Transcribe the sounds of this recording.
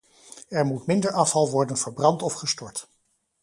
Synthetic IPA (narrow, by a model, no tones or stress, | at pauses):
ɛɹmutmɪndəɹɑfɑlˠʋɔɹdənvəɹbrɑntɔfχəstɔɹt